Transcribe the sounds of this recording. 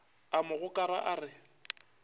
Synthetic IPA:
amʊɣʊkʼaɾa̰ʔaːrɪ

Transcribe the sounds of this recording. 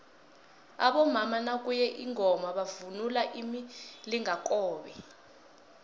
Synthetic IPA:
a̰ɓɔmamanak̬ujɛʔiŋʱɔmaɓavunulaʔimiliŋak̬ʼɔːɓɛ

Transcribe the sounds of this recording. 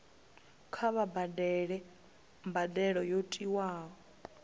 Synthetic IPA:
kʰaβabadɛɺɛ | mbadɛɺɔjotʼiwaːɔ

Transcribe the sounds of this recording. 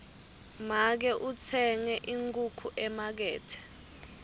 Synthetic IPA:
mak̬ɛʔut͡sʰɛŋɛʔiŋkʼukʰuʔɛmak̬ɛːtʰɛ̥

